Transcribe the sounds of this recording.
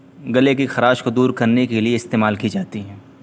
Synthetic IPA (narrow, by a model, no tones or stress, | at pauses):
ɡɐlekixɐɾaːʃkod̪uːɾkɐɾnekelieɪst̪eːmaːlkid͡ʒaːt̪iɦɛː